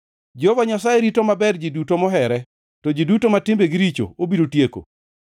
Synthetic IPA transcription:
d͡ʒovaɲasajeɾitomabɛrd͡ʒidutomɔɦɛɾɛ | tɔd͡ʒidutomatɪmbeɡɪɾit͡ʃo̰obidotjeko̰

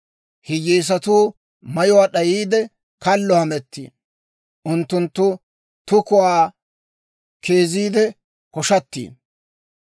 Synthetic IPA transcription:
hɪjiːs̬ɐt̪uː | mɐjʊwaːɗɐjiːd̪ɛ | kɐlːɔhɐmɛt̪ːḭː | ʔʊnt̪ːʊnt̪ːʊ | t̪ʊkʊwaː | kʰeːziːd̪ɛ | kɔʃɐt̪ːḭː

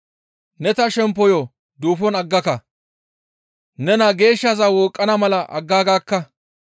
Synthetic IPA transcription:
nɛt̪ɐʃɛmpːɔjɔ | d̪uːfɔnɐɡːɐkɐ | nɛnɐɡe̞ːʃːɐzawɔːkʼːɐnɐmɐlɐʔɐ̰ɡːaːɡaːkːɐ

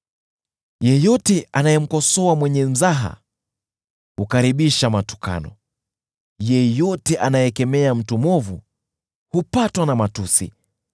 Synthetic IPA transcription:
jɛjɔtɛʔanajɛm̩kɔsɔamwɛɲɛm̩zaɦa̰ | hukaɾiɓiʃamatu̥ka̰nɔ̰ | jɛjɔtɛʔanajɛkɛmɛam̩tumɔvu | hupatwanamatusḭ

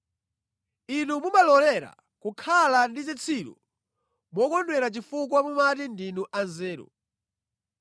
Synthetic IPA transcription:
inumumalɔlɛɾa̰ | kukʰalandit͡sit͡sʰiɾṵ | mɔkɔndwɛɾat͡ʃifuk̬wamumatindinuʔanzɛːɾṵ

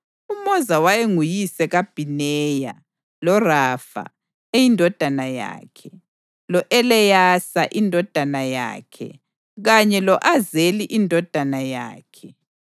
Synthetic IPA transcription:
umɔzawajeŋujisɛɣab̥ʱinɛja̰ | lɔrafa̰ | ejindʱɔd̥ʱanaja̰ːkʰɛ | lɔʔɛlɛjasaʔindʱɔd̥ʱanaja̰ːkʰɛ̰ | ɣaɲɛlɔʔazeliʔindʱɔd̥ʱanaja̰ːkʰɛ

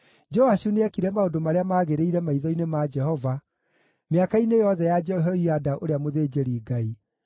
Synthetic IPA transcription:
d͡ʒɔaʃuneɛkiɾɛmaodomaɾeamaːɣeɾeiɾɛmaiðɔinemad͡ʒɛhɔva | meakainejɔðɛjad͡ʒɛɦiadaʔoɾeamoðeːd͡ʒeɾiːɡai

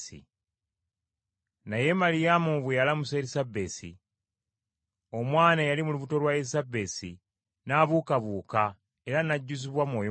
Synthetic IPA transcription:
ḭ | naje̞malijamuβwejalamuseɾisabːe̞sḭ | o̞mwaːnajalimuluβuto̞lwaisabe̞sḭ | naβuːkaβuːka | e̞ɾanaɟːuziβwamwo̞ːjo

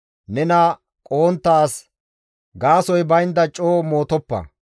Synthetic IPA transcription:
nɛnɐ | kʼoːnt̪ːaːs | ɡaːsɔjbɐjɪnd̪ɐt͡ʃʼːoːmo̞ːt̪ɔpːɐ̰

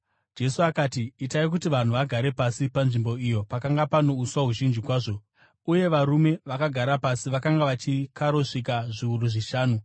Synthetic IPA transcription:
d͡ʒe̞suakaːtiːtaik̬utiʋan̤uʋaɡʱaɾe̞pasipanʐimbo̞ijo̞pakaŋɡapano̞uswaɦuʒind͡ʒikwaːʐo̞ | uje̞ʋaɾume̞ʋakaɡʱaɾapasiʋakaŋɡaʋat͡ʃikaɾo̞ʂikaʐiuɾuʐiʃaːnu

